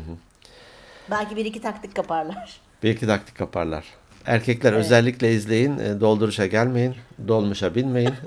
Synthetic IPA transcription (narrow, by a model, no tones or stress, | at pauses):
h̩ɦɯ | bælʲcibiɾicit̪ʰak̚t̪ʰikʰːapaɾlˠaɾ̥ | b̥iɾicʰit̪ʰak̚t̪ʰi̥kʰːapʰaɾlˠa̰ɾ̥ | æ̰ɾcʰɛclʲæɾø̞zɛlʲːiclʲɛizlʲe̞jind̪o̞lˠd̪uɾuʃaɟælʲme̞jind̪o̞lˠmuʃabinme̞jin